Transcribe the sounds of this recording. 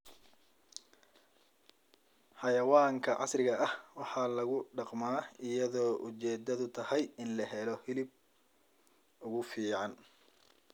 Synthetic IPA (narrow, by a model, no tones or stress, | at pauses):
ħɑjɐwaːŋkʰɐʕɑ̰srɪɣɐʔɐhwɑħɑlɐɣʊɖɑqmaːɪjɐðɔːʔʊt͡ʃɛːd̪ɐðʊt̪ʰɐhɛjɪnlɐɦɛlɔhɪlɪb̚ | ʊɣʊfiːʕɑn